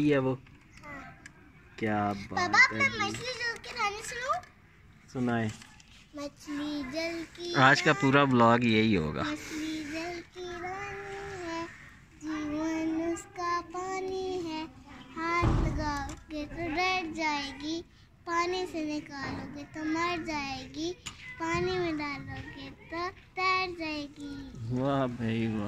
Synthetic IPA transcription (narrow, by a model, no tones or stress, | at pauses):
iɦɛʋoː | kjaːbaɐbaːpɐmɐt͡ʃlid͡ʒɐlkeɾaːnĩsʊnũː | sʊnaːe | mɐt͡ʃlid͡ʒɐlkiaːd͡ʒkapuːɾablɔːkjeɦiɦo̰ːɡa̰ːmɐt͡ʃlid͡ʒɐlkiɾaːniɦɛː | d͡ʒiənʊskapaːniɦɛːhaːt̪ɡaːɡet̪oɖɛːʈd͡ʒaːeːɡiː | paːnisenɪkaːloːɡet̪omɐɽd͡ʒaːeːɡipaːnimẽɖaːloɡet̪o | t̪ɛːʈd͡ʒaːeːɡiːʋaːbʱɐiʋaː